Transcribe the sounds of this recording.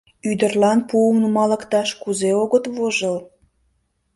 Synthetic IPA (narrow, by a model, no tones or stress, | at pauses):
yd̪ərlɑnpuəmnəmɑlə̆kt̪ɑʃkuzeoɣət̪βoʒəl